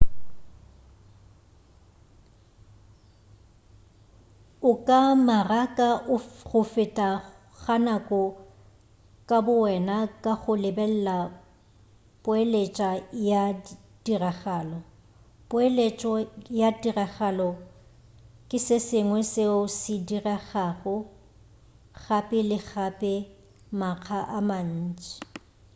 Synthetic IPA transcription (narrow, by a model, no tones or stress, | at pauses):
ʊkʼamarakʼaʔʊɣʊfɪtʼa | ɣanakʼɔ | kʼabʊwɛnakʼaɣʊlɪbɛl̩la | pʼʊelet͡ʃʼaja | d̥iraɣaːlɔ | pʼʊelet͡ʃʼɔjadiraɣalɔ | kʼɪsɪsɪŋwɛseʊsɪdiraɣaɣʊ | χapʼɪlɪk͡xapʼɪ | maq͡χʰaʔaman̩ːt͡ʃʼɪi̥